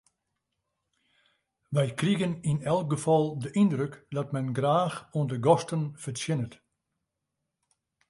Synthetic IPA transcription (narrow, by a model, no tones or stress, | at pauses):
ʋɛjkriɣəninɛlˠk̚ɡəfɔlˠdəʔindrøkdɔtmɛnɡraːxuəndəɡɔstənfəsjɪnət